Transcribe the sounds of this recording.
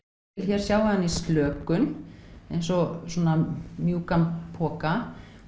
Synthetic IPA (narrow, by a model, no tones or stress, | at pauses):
ɪlçɛɾ̥sjawaanːist̪lœːkʏnejnsɔsɔːnamjuːkampʰɔːka